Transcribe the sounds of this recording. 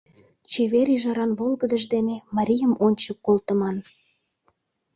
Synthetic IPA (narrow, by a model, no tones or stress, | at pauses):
t͡ɕeβeɾiʒɑɾɑnβolˠɣəd̪əʒd̪enemɑɾʲijəmonʲt͡ɕəkːolt̪əmɑn